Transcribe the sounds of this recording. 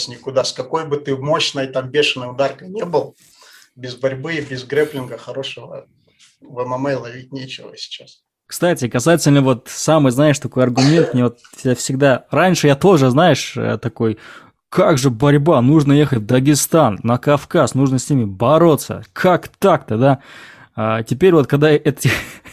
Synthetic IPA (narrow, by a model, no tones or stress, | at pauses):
sʲnʲɪkʊd̪askɐko̞jbɨt̪ɨmo̞ɕnəjt̪ambʲeʂɨnəjʊd̪arkəjnʲebɨlˠ | bʲɪzbɐɾʲbɨbʲɪzɡɾʲɛplʲɪnɡəxɐɾo̞ʂəvə̰ | vɛməmɛjlˠɐvʲit̚ʲnʲet͡ɕɪvə̰sʲɪ̥t͡ɕas | kst̪atʲɪkɐsajɪtʲɪlʲnəvo̞t̪samɨjznajɪʂt̪ɐko̞jɐrɡʊmʲe̞nt̪̚nʲivot̪ʲ | afsʲɪɡ̚d̪aranʲʂɨjat̪o̞ʐɨznajɪʂə̰t̪ɐko̞j | kaɡʐɨbɐɾʲbanuʐnəjexətʲvd̪əɡʲɪst̪anːəkɐfkasnuʐnəsʲnʲimʲɪbɐɾo̞t̪sːə̰kʰakt̪akt̪əd̪a | atʲɪpʲeɾʲvot̪kɐɡd̪aʔɛt̪ɪ